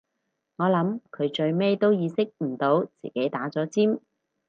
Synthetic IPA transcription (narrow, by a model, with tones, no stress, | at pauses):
ŋɔː˨˧lɐ˨˥mkʰɵ˨˧ɥt͡ʃɵ˧ɥme˥jt̪o˥wjiː˨˧sɪ˥k̚m̩˨˩t̪o˨˥wt͡sḭː˨˩ke˨˥jt̪aː˨˥t͡sɔː˨˥t͡siː˥m